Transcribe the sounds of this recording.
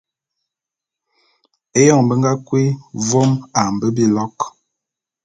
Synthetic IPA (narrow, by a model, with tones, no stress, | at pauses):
e˦jɔ˦˨ŋbə˦ŋɡa˦kwi˦vɔ˦ma˨m˨bə˦bi˦lɔ˦k